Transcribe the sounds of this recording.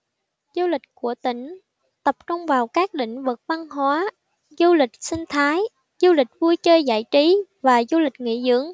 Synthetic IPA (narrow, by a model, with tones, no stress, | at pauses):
zu˧lï˨˩k̟̚ku˧˩ət̪ï˧˩˨ŋ̟ | t̪ə˨˩p̚t͡ɕʊ˧ŋ͡mvaː˨˩wkaː˦˥k̚ɗḭ̈˧˨ŋ̟vɨ˨˩t̚va˧ŋɦwaː˨˦ | zu˧lï˨˩k̟̚sï˧ŋ̟t̪ʰaː˨˦j | zu˧lï˨˩k̟̚vu˧əjt͡ɕəː˧jza̰ː˧˥˩jt͡ɕi˨˦vaː˨˩zu˧li˨˩k̟̚ŋḭ˧˥zɨ̰˧˥əŋ